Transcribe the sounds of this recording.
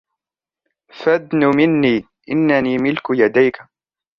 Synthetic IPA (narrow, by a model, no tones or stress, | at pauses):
fad̪nʊmɪnːiː | ʔɪnːaniːmɪlkjad̪ajka